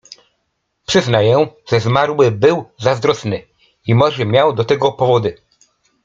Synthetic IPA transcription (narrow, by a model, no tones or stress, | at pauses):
pʂɘznajɛʐ̥ɛzmaɾwɘbɘwzazd̪ɾɔsnɘ | imɔʐɛmʲjawd̪ɔt̪ɛɡɔpɔvɔd̪ɘ